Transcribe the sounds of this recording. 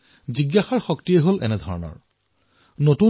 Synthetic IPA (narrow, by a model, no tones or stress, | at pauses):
ziɡːaxɔɹxɔktijɛɦolʔɛ̰nɛdʱɔɹɔnɔ̰ɹ | notu